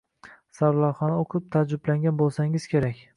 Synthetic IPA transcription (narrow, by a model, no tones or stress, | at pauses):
sawlˠaɾχɒnaoqʰɪp̚t̪ʰad͡ʒʊblaŋɡʲanbolˠsaŋɪz̥kʲʰe̞ɾakʲ